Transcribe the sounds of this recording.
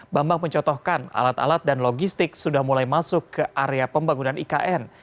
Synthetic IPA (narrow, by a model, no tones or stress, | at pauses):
bambaŋməɲt͡ʃɔt̪ɔhkana̰lat̪a̰lat̪̚danloɡist̪ɪk̚sudahmulajmasʊkːəʔaɾeapəmbaŋunanʔikaʔɛn